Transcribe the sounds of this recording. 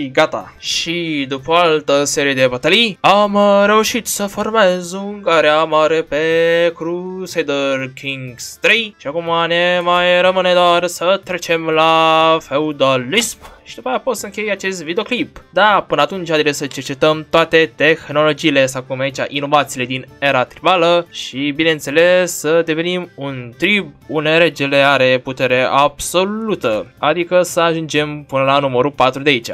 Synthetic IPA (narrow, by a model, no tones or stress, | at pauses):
iɡat̪a̰ | ʃid̪upəalt̪əseɾied̪ebat̪aliamɾe̞uʃit̪səformezuŋɡaɾeamaɾepekɾusejd̪ərkʰiŋɡst̪ɾejʃiakumanemajɾəməned̪oaɾsət̪ɾet͡ʃemlafeud̪olːispʃid̪upajaposəɨŋkʲejat͡ʃest̪vid̪eo̞klipd̪apɨnəat̪unt͡ʃʲhad̪eɾesət͡ʃe̞rt͡ʃe̞t̪əmt̪oat̪e̞t̪e̞xno̞lo̞d͡ʒiːle̞sawkumait͡ʃʲa̰ʔino̞vat̪siːle̞d̪ine̞ɾat̪ɾibaləʃibine̞nt̪se̞le̞sːəd̪eve̞nimunt̪ɾib̚und̪eɾe̞d͡ʒele̞aɾe̞put̪e̞ɾe̞ʔab̥so̞lut̪əad̪ikəsəaʒund͡ʒe̞mpɨnəlanuməɾupat̪ɾud̪eait͡ʃa̰